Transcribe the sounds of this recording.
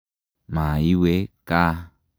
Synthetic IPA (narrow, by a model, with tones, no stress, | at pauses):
mã˨i˦we˦ka˦